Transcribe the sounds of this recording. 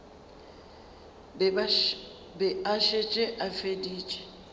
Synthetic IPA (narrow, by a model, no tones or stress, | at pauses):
bɛaʃet͡ʃʼeʔafediːt͡ʃʼɛ̥